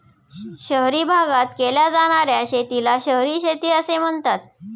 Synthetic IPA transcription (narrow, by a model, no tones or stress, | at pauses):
ɕəɦɾiːbʱaɡat̪keljad͡zaɽ̃aɾjaɕet̪ilaɕəɦɾiːɕet̪iːəsem̤əɳt̪at̪̚